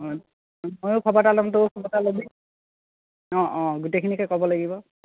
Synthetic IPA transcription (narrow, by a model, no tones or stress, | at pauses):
mɔjʊkʰɔbatalɔmtokʰɔbatalobi | ɔ̃ʔɔ̃ɡutekʰinikɔjkɔbɔlaɡibɔ